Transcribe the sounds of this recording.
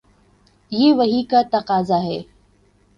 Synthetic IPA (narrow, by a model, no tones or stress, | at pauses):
jeːʋɐɦikat̪ɐqaːzaɦɛː